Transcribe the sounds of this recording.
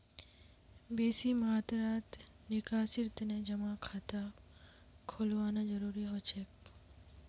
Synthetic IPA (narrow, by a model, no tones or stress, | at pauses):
besimat̪ɾat̪ | nikasiɾt̪ned͡ʒəmãkʰat̪a | kʰolʋanad͡ʒəɾuɾiɦot͡ʃʰek